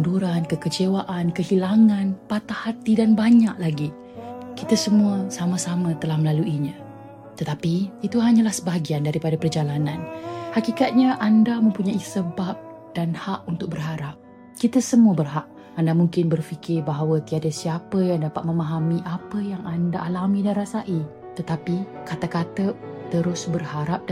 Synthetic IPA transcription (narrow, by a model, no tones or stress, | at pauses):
unduɾankəkət͡ʃewaʔankəhilaŋãnpat̪ahat̪idanbaɲaʔlaɡi | kit̪əsəmuəsaməsamə̃t̪əlahməlaluʔiɲã | t̪ət̪apiit̪uɦaɲalahsəbaɡiandaɾipadapərd͡ʒalananhakikat̪̚ɲãʔandamə̃mpuɲaisəbap̚ | d̥anhaʔunt̪ʊk̚bərɦaɾap̚ | kit̪əsəmuəbərɦaʔ | andamuŋkɪnbərfikɪrbaɦawət̪iadasiapəjaŋdapat̪̚məmaɦamiʔapəjaŋandaʔːlamĩdanrasaʔi | t̪ət̪apikat̪akat̪ət̪əɾʊsbərhaɾap̚d